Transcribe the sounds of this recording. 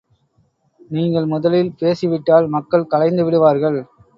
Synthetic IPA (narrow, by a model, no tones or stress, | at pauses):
niːŋɡɐɭmʊðɐlɪlpeːsiʋɪʈːaːlmɐkːɐɭkɐlɐɪnd̪ɯʋɪɽɯʋaːɾɣɐɭ